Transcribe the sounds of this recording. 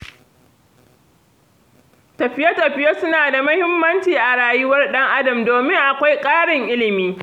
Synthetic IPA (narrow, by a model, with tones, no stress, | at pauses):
tɐ˨ɸɪ˦jɐ˦tɐ˨ɸɪ˦jɐ˦sʊ˦naː˨da˨mɐ˦hɪ˦mːɐ˦nt͡ʃiː˨ʔa˨ɽaː˨jɪ˦wɐ˦rɗɐ˦ŋʔa˦dɐ˨mdoː˨mɪ˦ŋʔa˨kʷa˦jkʼaː˦ɽɪ˨ŋʔɪ˦lɪ˨miː˦